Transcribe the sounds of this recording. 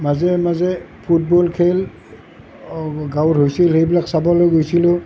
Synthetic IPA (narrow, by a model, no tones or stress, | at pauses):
mazɛmazɛ | pʰut̚bɔlkʰel | ɡawtɦojsilhejbilaksabɔlojɡojsilʊ